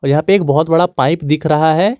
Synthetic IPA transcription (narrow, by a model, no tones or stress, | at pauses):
ɔːɾjɐɦãːpeeːk̚bɔɦʊt̪bɐɽapaːɪpd̪ɪkʰɾɐɦaɦɛː